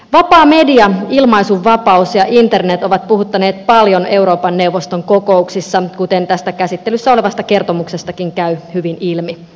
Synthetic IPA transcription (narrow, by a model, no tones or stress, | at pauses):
ʋɑpɑːme̞diɑilmɑisuʋːɑpɑusjɑʔint̪e̞rnet̪o̞ʋɑt̪̚puhut̪ːɑne̞ːt̪̚pɑljo̞neuɾo̞ːpɑnːe̞wʋːost̪oŋko̞ko̞uksisːɑkut̪e̞nt̪æst̪ækæsit̪ːe̞lysːæo̞le̞ʋɑst̪ɑke̞rt̪o̞mukse̞st̪ɑkiŋkæyhyʋinilmi